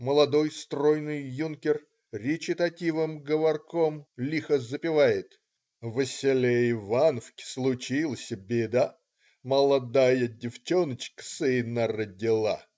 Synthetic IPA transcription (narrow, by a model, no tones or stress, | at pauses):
məlˠɐd̪o̞jst̪rojnɨjːunkʲɪr | rʲɪt͡ɕɪt̪ɐtʲivɨmɡəvɐrkomlʲixəzəpʲɪvajɪt̪ | vəsʲɪlʲeɪvanəfkʲɪ̥slˠʊt͡ɕilˠəsʲəbʲed̪a | məlˠɐd̪ajədʲɪft͡ɕonət͡ɕkə̥sɨnːərədʲɪlˠa